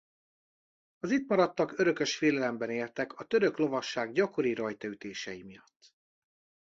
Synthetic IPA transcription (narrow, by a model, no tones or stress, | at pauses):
ɒzit̪mɒɾɒt̪ːɒkøɾø̞kø̞ʃfeːlɛlɛmbɛneːlt̪ɛkɒt̪ø̞ɾø̞klo̞vɒʃːaːɡɟɒko̞ɾiɾɒjt̪ɒyt̪eːʃɛjimijɒt̪ː